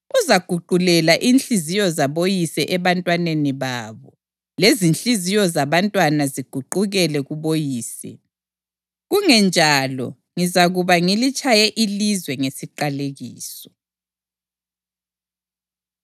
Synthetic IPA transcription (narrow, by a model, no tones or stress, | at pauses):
uzaɡ̥ʱuɡ͡ǃʱulɛlaʔinɬʼizijɔzaβojisɛʔɛβantʼwaneniβaβɔ | lezint͡ɬʼizijɔzaβantʼwanaziɡ̥ʱuǃuɣɛlɛɣuβojiːsɛ̰ | ɣuŋɛnd͡ʒʱalɔ̰ | ŋizaɣuβaŋilit͡ʃʼajɛʔilizwɛŋesiǃaleɣiːsɔ̥